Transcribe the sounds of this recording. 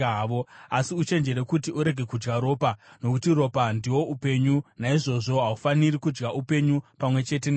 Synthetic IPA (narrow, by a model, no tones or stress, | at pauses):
ʋoasiut͡ʃe̞nd͡ʒe̞ɾe̞kutiʔuɾe̞ɡʱe̞kud͡ʒɡaɾo̞ːpano̞kutiro̞pandiwo̞ʔupe̞ɲunaiʐo̞ʐo̞ɦaufanirikud͡ʒɡaʔupe̞ɲupamwe̞t͡ʃe̞t̬en